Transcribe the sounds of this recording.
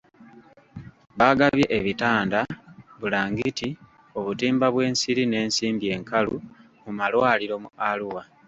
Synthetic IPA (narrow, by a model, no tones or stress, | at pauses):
βaɡaβje̞ʔeβitaːndaβulaːŋɡiti | o̞βutiːmbaβwe̞ːnsiɾine̞ːnsiːmbje̞ːŋkalṵ | mumalwaːliɾo̞mualuwa